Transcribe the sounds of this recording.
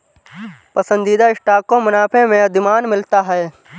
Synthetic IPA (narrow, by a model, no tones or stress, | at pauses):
pəsə̃nd̪iːd̪aɪsʈaːkõmɐnaːpʰẽmẽɐd̪ʱɪmaːnmɪlt̪aɦɛː